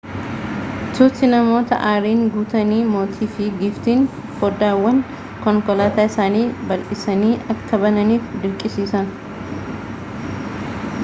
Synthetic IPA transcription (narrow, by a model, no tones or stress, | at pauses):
t̪ʊt̪ɪnɐmo̞ːt̪ɐ̰ʔaːɾiːŋɡuːt̪ɐniːmo̞ːt̪ʰiːfɪɡɪft̪iːn | fɔːd̪aːwːɐn | kɔŋkɔlaːt̪aːɪsaːniːbɐlʔɪsɐniːɐkʰːɐbɐnɐniːfd̪ɪɾkʼɪsiːsɐn